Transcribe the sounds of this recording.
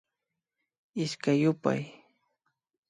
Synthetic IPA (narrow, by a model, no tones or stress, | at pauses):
ɪskajʊpa̰j